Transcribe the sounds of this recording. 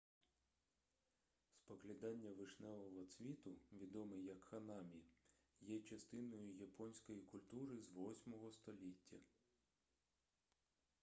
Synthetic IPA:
spɔklʲid̪ɑnʲːɐʋɪʃnɛʋˠɔʋɔt̪sʲʋʲit̪ʊʋʲid̪ɔmɪjɐkxɐnɑmʲi | jɛt͡ʃɐst̪ɪnɔjʊjɐpɔnʲsʲkɔjikʊlʲt̪uɾɪzʋɔsʲmɔɦɔst̪ɔlʲitʲːɐ

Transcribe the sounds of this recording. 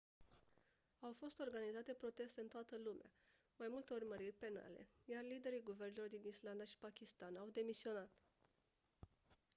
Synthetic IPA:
awfo̞st̪o̞rɡanizat̪e̞pɾo̞t̪e̞st̪eɨnt̪oat̪əlumea̰ | majmult̪e̞urməɾirʲpe̞na̰le̞̰jarlid̪e̞ɾiɡuve̞rne̞lo̞rd̪inisland̪aʃi̥pakʲist̪anawd̪e̞misio̞nat̪

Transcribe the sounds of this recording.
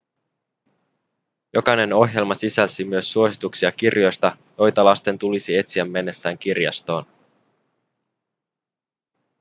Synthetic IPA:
jo̞kɑjne̞no̞ɦje̞lmɑsisælsimyøsːuo̞sit̪uksiɑkirjo̞jst̪ɑ | jo̞jt̪ɑlɑst̪e̞nt̪ulisie̞t̪siæmːe̞nːe̞sːæːŋk̟irjɑ̰st̪o̞ːn

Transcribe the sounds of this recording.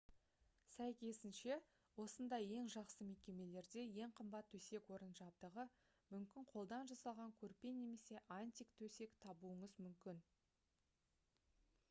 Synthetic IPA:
sæjkʲe̞sɪnʃe̞ | wo̞sənd̪ɑje̞ŋʒɑqsəme̞kʲe̞me̞le̞ɾd̪e̞je̞ɴqʰəmbɑt̪ʰːɵse̞kwo̞ɾənʒɑp̚d̪əʁə | mʏmkʲɪɴqʰo̞lˠd̪ɑnʒɑsɑlˠʁɑŋkʲʰɵɾpe̞nːe̞me̞se̞ʔanʲt̪ʲikt̪ʰɵse̞kt̪ʰɑbuəɴəzmʏmkʲɪn

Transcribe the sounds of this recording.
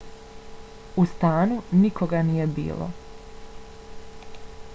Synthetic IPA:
ust̪aːnunikʰo̞ɡanije̞bḭːlˠo̰

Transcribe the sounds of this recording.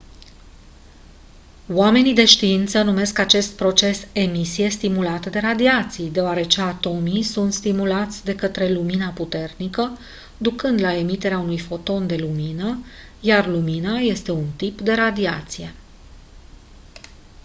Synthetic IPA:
wame̞nid̪e̞ʃt̪iint̪sənume̞skat͡ʃe̞st̪̚pɾo̞t͡ʃe̞se̞misije̞st̪imulat̪əd̪e̞ɾad̪iat̪sijd̪e̞oaɾe̞t͡ʃe̞at̪o̞misunt̪st̪imulat̪sʲd̪e̞kət̪ɾe̞luminaput̪e̞rnikə | d̪ukɨnd̪lae̞mit̪e̞ɾeaunujfo̞t̪o̞nd̪e̞luminəjarluminaje̞st̪e̞unt̪ipd̪e̞ɾad̪iat̪sije̞

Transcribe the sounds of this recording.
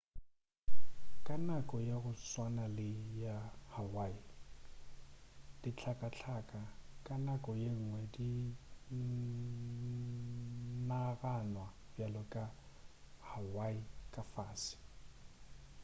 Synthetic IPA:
kʼanakʼɔjaɣʊswanalɪjahawai | d̥it͡ɬʰakʼat͡ɬʰaːkʼakʼanakʼɔjeŋ̩ŋwɛdi | naɣanwa | b̥jalɔkʼa | hawaikʼafaːsɪ̥

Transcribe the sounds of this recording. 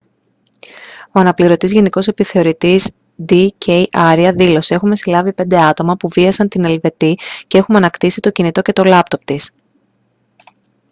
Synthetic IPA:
o̞ɐnɐpliɾo̞t̪izʝe̞niko̞se̞piθe̞o̞ɾit̪iz | d̪icejʔɐɾiɐðilo̞sie̞xume̞silɐvipe̞nd̪e̞ɐt̪o̞mɐpuviɐsɐnt̪ine̞lve̞t̪ice̞e̞xumɐnɐkt̪isit̪o̞cinit̪o̞ce̞t̪o̞lɐp̚t̪o̞p̚t̪is

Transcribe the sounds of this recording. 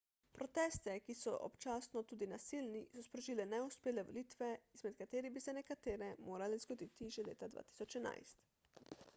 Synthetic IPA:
pɾɔt̪ɛːst̪ɛkisɔ̰ʔɔ̰pt͡ʃaːsnɔt̪uːd̪inasilnisɔspɾɔʒilɛnɛuspeːlɛʋɔ̰lit̪ʋɛizmɛt̪kat̪eːɾibisɛnɛkat̪eːɾɛmoːɾalɛzɡɔd̪it̪iʒɛlḛːt̪ad̪ʋa̰ːt̪i̥sɔt͡ʃɛna̰jst̪

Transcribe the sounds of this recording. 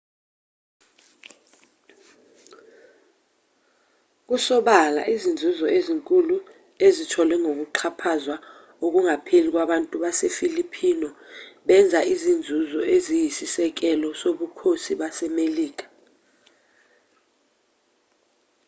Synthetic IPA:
k̬usɔɓala̰ʔizind͡zʱuzɔeziŋkʼulu | ezitʰɔlwɛŋʱok̬uǃʰapʰazwa | ok̬uŋapʰelik̬waɓantʼuɓasefilipʰinɔɓɛnd͡zʱaʔizind͡zʱuzɔʔezijisisɛk̬ɛlɔsoɓukʰosiɓasɛmeliːk̬ḁ

